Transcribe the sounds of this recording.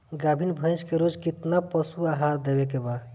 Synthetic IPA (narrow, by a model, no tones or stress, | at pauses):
ɡabʱinbʱə̃jskeɾod͡ʒkit̪napəsuaɦaɾd̪ebekeba